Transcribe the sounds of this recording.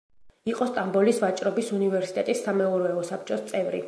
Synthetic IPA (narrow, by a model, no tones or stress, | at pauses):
iqʼɔst̪ʼambɔlisvat͡ʃʼɾɔbisunivɛɾsit̪ɛt̪ʼisːamɛɔɾɔɛɔsap̚ʰt͡ʃʼɔst̪sʼɛvɾḭ